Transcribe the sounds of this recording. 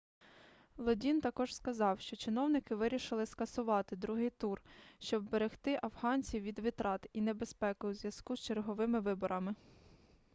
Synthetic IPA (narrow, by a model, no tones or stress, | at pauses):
lˠɔdʲint̪ɐkɔʒ̥skɐzɑwʃt͡ʃɔt͡ʃɪnɔwnɪkɪʋɪɾʲiʃɪlˠɪskɐsʊʋɑt̪ɪd̪ɾuɦɪjt̪urʃt͡ʃɔbːeɾext̪ɪʔɐwɦɑnʲt͡sʲiwʋʲid̪ʋʲit̪ɾɑt̪inebespɛkʊwzʲʋjɐskust͡ʃerɦɔʋɪmɪʋɪbɔɾʔɐmɪ